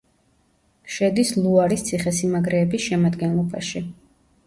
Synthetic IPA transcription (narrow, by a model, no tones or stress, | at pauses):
ʃɛd̪islˠuaɾist̪sʰiχɛsimaɡɾɛːbisʃɛmad̪ɡɛnlˠɔba̰ʃi